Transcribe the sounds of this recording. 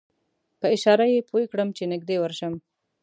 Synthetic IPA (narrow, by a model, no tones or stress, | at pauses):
pəɪʃɑɾajepʰojekɽəmt͡ʃenɪɡ̚d̪ewəɾʃəm